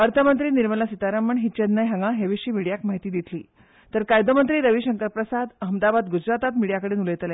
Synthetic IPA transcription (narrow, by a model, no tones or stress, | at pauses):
əɾt̪ʰəmənt̪ɾiːniɾməlasit̪aɾaməɳɦiːt͡ɕənnəjɦəŋɡaɦeʋiɕiːmiɽijakmaɦit̪iːd̪it̪ʰlḭː | t̪əɾkajd̪omənt̪ɾiːɾəʋiɕəŋkəɾpɾəsad̪əɦəmd̪abad̪ɡud͡ʑɾat̪at̪miɽijakəɽiːnuləjt̪l